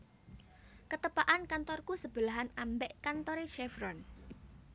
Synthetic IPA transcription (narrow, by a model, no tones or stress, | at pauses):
kət̪əpaʔankant̪ɔrkusəb̥əlaɦanambɛʔkant̪ɔɾeʃɛvɾɔn